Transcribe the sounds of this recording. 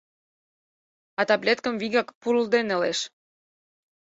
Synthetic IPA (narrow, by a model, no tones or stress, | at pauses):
ɑt̪ɑblʲet̪kəmviɣɑkpuɾuld̪enĕleʃ